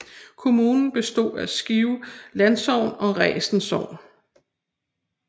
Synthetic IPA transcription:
kʰo̝muːnn̩b̥e̝sd̥o̝̰ːæsɡ̥iʊlænsɒʊ̰nɒ̽ʁɛ̰ːsn̩sɒʊ̰n

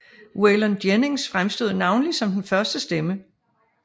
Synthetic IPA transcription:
welənd̥jene̝ŋsfʁamsd̥o̝ð̰ˠnɑ̈ʊnlisɒ̽md̥enfɶɐsd̥əsd̥emə

